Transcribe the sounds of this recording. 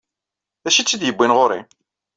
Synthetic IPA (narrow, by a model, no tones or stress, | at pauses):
æʃit͡sːid̪jəbːinʁoɾḭ